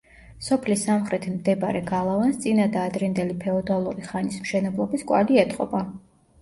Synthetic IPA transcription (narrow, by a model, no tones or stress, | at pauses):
sɔpʰlisːamχɾɛt̪ʰimd̪ɛbɾɛɡalˠavanst̪sʼinad̪aːd̪ɾɛnd̪ɛlipʰɛɔd̪alˠuɾiχanismʃɛnɛblˠɔbiskʼwa̰liɛt̪ʼqʼɔ̰ba